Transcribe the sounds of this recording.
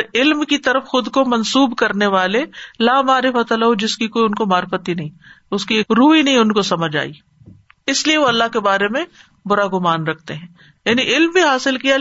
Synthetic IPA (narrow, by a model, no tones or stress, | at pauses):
ɾɪlmkit̪ɐɾəfxʊd̪komɐnsuːbkɐɾneʋaːlelaːmaːɾɪfət̪ɐlaɦod͡ʒɪskikoːiʊnkomaːɾɪfət̪ɦinɐɦĩ | ʊskieːkɾuːɦinɐɦĩʊnkosɐməd͡ʒʱa̰ːḭː | ɪslieʋoɐlːaɦkebaːɾemẽ | bʊɾaɡʊmaːnɾɐkʰt̪eɦɛ̃ː | jaːniʔɪlmbʱiɦaːsɪlkija